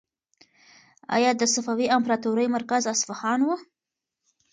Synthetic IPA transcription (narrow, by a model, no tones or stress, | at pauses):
a̰jɑd̪əsafawiampɾɑt̪uɾəjmaɾkazasfahɑnwu